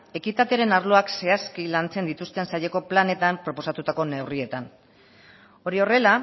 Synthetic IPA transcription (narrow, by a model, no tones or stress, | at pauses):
e̞kit̪at̪eɾe̞naɾlo̞akse̞askilant͡se̞nd̪it̪ust̪e̞nsaje̞ko̞plane̞t̪ampɾo̞po̞sat̪ut̪ako̞ne̞wrie̞t̪an | o̞ɾio̞re̞la